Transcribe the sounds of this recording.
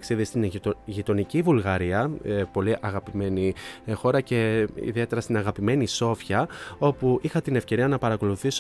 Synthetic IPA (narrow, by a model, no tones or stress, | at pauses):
ksiðist̪inʝit̪o̞nicivulɣɐɾiɐpo̞liʔɐɣɐpime̞nixo̞ɾɐce̞ḭðie̞t̪e̞ɾɐst̪inɐɣɐpime̞niso̞fçɐo̞puʔixɐt̪ine̞fce̞ɾiɐnɐpɐɾɐko̞luθis